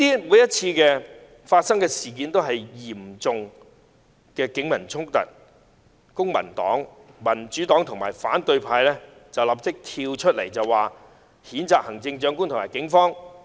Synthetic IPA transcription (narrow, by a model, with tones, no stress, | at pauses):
t̪iː˥muː˨˥jɐ˥t̚t͡sʰiː˧kɛː˧ | faː˧t̚sɐ˥ŋkɛː˧siː˨˩k̬iː˨˥nt̪o˥wɦɐ˨jjiː˨˩mt͡sʊ˨ŋ | kɛː˧kɪ˨˥ŋmɐ˨˩nt͡sʰʊ˥ŋ̚t̪ɐ̰˨t̚ | kʊ˥ŋmɐ̰˨˩nt̪ɔ̰ː˨˥ŋmɐ˨˩nt͡ʃyː˨˥t̪ɔː˨˥ŋt̪ʰʊ˨ŋmaː˨˩jfaː˨˥nt̪ɵ˧ɥpʰaː˧jlɛː˥t͡sɐ˨wlɐ˨˩p̚t͡sɪ˥k̚t̪ʰiː˧wt͡ʃʰɵ˥t̚le˨˩jt͡sɐ˨waː˨ | hiː˨˥nt͡saː˨k̚hɐ˨˩ŋt͡sɪ˧ŋt͡ʃœː˨˥ŋkuː˥nt̪ʰʊ˨˩maː˨˩jkɪ˨˥ŋfɔː˥ŋ